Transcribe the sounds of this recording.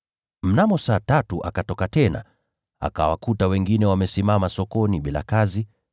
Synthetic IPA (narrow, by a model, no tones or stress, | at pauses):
m̩namɔsaːtatuʔakatɔkatɛna̰ | a̰ka̰wa̰kutawɛŋɡinɛwamɛsimamasɔkɔniɓila̰kazi